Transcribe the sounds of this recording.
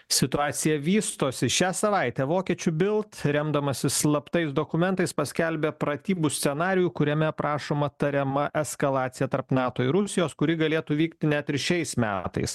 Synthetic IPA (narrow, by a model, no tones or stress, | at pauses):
sʲɪt̪ʊɑːt̪sʲɪjɛʋʲiːst̪oːsʲɪʃʲæːsɐʋɐɪt̪ʲɛːʋoːkʲiɛt͡ʃʲʊbʲɪlˠt̪ɾʲɛmd̪ɐmɐsʲɪslˠɐpt̪ɐɪsd̪oːkʊmʲɛnt̪ɐɪspɐsʲkʲɛlʲbʲɛpɾɐt̪ʲiːbusʲtsʲɛnɑːɾʲɪjukʊɾʲɛmʲɛpɾɑːʃoːmɐt̪ɐɾʲɛmɐʔɛskɐlˠɑːt̪sʲɪjɛt̪ɐɾpnɑːt̪oːɪɾʊsʲɪjoːskʊɾʲɪɡɐlʲeːt̪uːʋʲiːkt̪ʲɪnʲæt̪ʲɪɾʃʲɛɪsmʲæ̰ːt̪ɐ̰ɪs